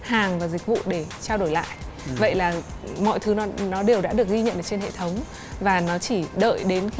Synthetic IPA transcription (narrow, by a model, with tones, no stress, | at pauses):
haː˨˩ŋvaː˨˩zi˨˩k̟̚vṵ˧˨ɗe˧˩t͡ɕaː˧wɗo˧˩jla̰ː˧˨jʔ | və̰˧˨jlaː˨˩mɔ̰˧˨jt̪ʰɨ˨˦nɔ˨˦nɔ˨˦ɗe˨˩əwɗa̰ː˧˥ɗɨ˨˩ək̚ɣi˧ɲə̰˧˨nʔəː˧˩t͡ɕe˧nhḛ˧˨t̪ʰə˨˦wŋ͡m | vaː˨˩nɔ˨˦t͡ɕi˧˩ɗə̰ː˧˨jɗe˨˦nx